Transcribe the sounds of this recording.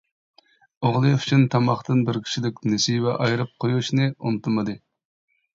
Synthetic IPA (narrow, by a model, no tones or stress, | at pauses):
oʁlˠɨfyt͡ʃʰynt̪ʰɑmɑχt̪ɨnbɪɾkʲʰi̥ʃilɪkʲnesijvɛʔɑjɾɨp̚qʰojuʃnɨunɨt̪ʰɨmɨd̪ɨ